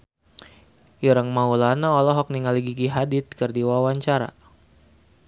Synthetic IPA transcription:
ʔiɾaŋmaulanaɔlɔɦɔk̚niŋaliɡiɡiɦadit̪̚kərdiwawaɲt͡ʃaɾa̰

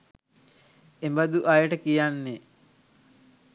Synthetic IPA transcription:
embad̪uʔajəʈəkijanːe

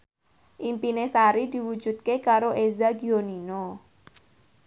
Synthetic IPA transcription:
ʔimpinesaɾid̪̥i̤wud̥ʒ̥ṳt̪̚kekaɾoʔezaɡionino

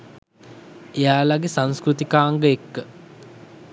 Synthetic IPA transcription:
ejaːlaɡesãnskɾut̪ikaːŋɡəekːə

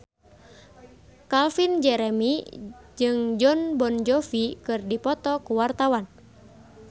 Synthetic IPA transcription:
kalfind͡ʒɛɾɛmid͡ʒɨŋd͡ʒɔnbɔnd͡ʒɔfikɨrdipɔt̪ɔkuwart̪awan

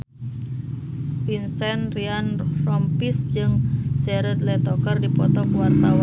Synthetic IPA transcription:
pinsɛnrianrɔmpisd͡ʒɨŋsɛɾət̪lɛt̪ɔkərdipɔt̪ɔkuwart̪awa

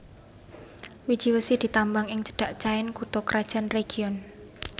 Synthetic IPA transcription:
wid̥ʒ̥iwəsid̪̥i̤t̪ambaŋɪŋt͡ʃə̥ɖ̥a̤ʔt͡ʃaɛnkut̪ɔkɾad̥ʒ̥a̤nreɡ̥iɔn

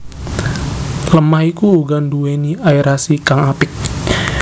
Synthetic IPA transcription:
ləmahikuːɡandueniaiɾasikaŋapɪk̚

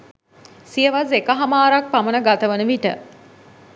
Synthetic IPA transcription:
sijəʋazekəɦamaːɾak̚pamənəɡat̪əʋənəʋiʈə̰

